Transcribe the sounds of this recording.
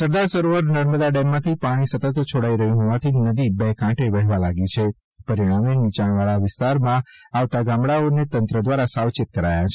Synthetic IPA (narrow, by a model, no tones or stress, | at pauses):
səɾd̪aɾsəɾoʋəɾnəɾməd̪aɖɛmːãt̪ʰipaɽ̃isət̪ət̪t͡ʃʰoɽaiɾəɦjũɦɔʋat̪ʰinəd̪ibekãʈeʋəɦʋalaɡit͡ʃʰe | pəɾiɽ̃amenit͡ʃaɳʋaɭaʋɪst̪aɾmãaʋt̪aɡãmɽaonet̪ənt̪ɾəd̪ʋaɾasawt͡ʃɪt̪kəɾajat͡ʃʰe